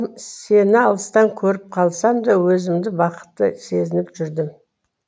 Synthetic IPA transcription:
se̞nɪɑlˠəst̪ɑŋkʲʰɵɾɪp̚qʰɑlˠsɑmd̪ɑwɵzɪmd̪ɪbɑqə̥t̪ːə̰se̞zɪnɪpʒʏɾd̪ɪm

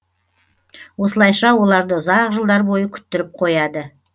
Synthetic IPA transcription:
wo̞səlˠɑjʃɑwo̞lˠɑɾd̪əʊzɑqʒəlˠd̪ɑɾbo̞jəkʲʰʏ̥t̪ːɪɾɪp̚qʰo̞jɑd̪ə

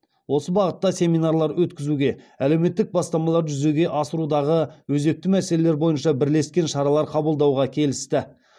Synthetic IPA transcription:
wo̞səbɑʁət̪ːɑsʲe̞mijnɑɾlˠɑɾwɵt̪kʲɪzuɡʲe̞ | æle̞wme̞t̪ːɪk̚bɑst̪ɑmɑlˠɑɾʒʏze̞ɡʲe̞ʔɑsəɾud̪ɑʁəwɵze̞k̚t̪ɪmæse̞lele̞ɾbo̞jənʃɑbɪɾle̞skʲe̞nʃɑɾɑlˠɑɾqʰɑbəlˠd̪ɑwʁɑkʲʰe̞lɪst̪ɪ

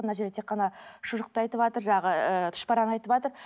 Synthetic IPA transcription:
mənɑʒed̪et̪ʰeqːɑnɑʃʊʒəq̚t̪əɑjt̪əpɑt̪əɾʒɑɑʁəət̪ʰʊ̥ʃpɑɾɑnɑjt̪əpɑt̪əɾ

